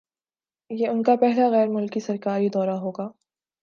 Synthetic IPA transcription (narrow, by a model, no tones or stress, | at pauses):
jeːʊnkapɛɦlaɣɛːɾmʊlkisɐɾkaːɾid̪ɔːɾaɦoːɡaː